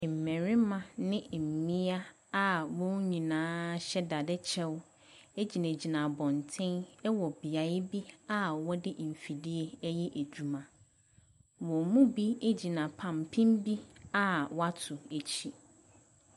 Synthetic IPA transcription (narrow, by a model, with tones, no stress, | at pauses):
m̩˨mɛ̃˨ɾi˦mã˨nɪ̃˦˨m̩˨mĩ˦a˦ | a˦wɔ̃˦ɲĩ˨nãː˨˦ɕɛ˦da˨dɛ˦t͡ɕʰɛ˦w | e˦d͡ʑi˨næ̃˨d͡ʑi˨nã˨bɔ̃˨ntʰɪ̃˦nɛ˦wɔ˨bi˨a˨ɪ˦bi˦a˦wɔ˦dɪ˦ʔm̩˨fi˨di˦e˨˦jɛ˦ʔæ˨d͡ʑᶣu˨mã˨ | wɔ̃˨mũ˦bi˦e˦d͡ʑi˨nã˨pʰã˨mpʰĩ˦mbi˦a˦wɔ˦a˦tʰʊ˨e˨t͡ɕʰi˨